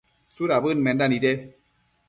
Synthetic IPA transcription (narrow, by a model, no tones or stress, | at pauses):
t͡suɾabɨnmɛndanidɛ